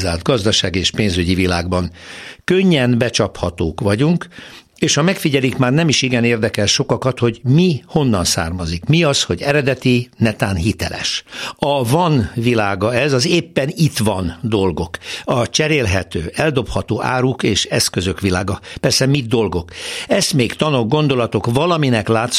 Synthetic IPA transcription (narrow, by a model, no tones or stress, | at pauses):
zaːlt̪̚ɡɒzd̪ɒʃaːɡieːʃpeːnzyɟivilaːɡbɒŋkøɲːɛnbɛt͡ʃɒphɒt̪oːkʋɒɟuŋk | eːʃhɒmɛkfiɟɛlikmaːrnɛmiʃiɡɛneːrd̪ɛkɛlʃo̞kɒkɒt̪ho̞ɟmiho̞nːɒnsa̰ːrmɒzikmiɒsho̞ɟɛɾɛd̪ɛt̪inɛt̪aːnɦit̪ɛ̰lɛ̰ʃɒvɒnvilaːɡɒɛzɒzeːpːɛnit̪ʋɒnd̪o̞lɡo̞kɒt͡ʃɛɾeːlɦɛt̪ø̰ːɛld̪o̞phɒt̪oːʔa̰ːɾukeːʃɛskøzø̞kʋila̰ːɡɒpɛrsɛmid̪o̞lɡo̞kɛst̪meːkt̪ɒno̞ɡ̚ɡo̞nd̪o̞lɒt̪o̞kvɒlɒminɛklaːt̪s